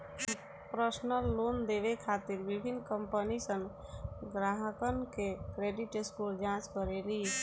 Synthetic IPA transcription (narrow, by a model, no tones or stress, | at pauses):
pɾəsnəlːond̪eβekʰat̪iɾbibʱinːkəmpənisən | ɡɾaɦəkənkekɾeɖiʈeskuld͡ʒãt͡ʃkəɾeɾi